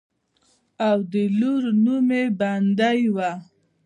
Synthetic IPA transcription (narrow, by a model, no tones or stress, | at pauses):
awd̪əluɾnumeband̪ajwa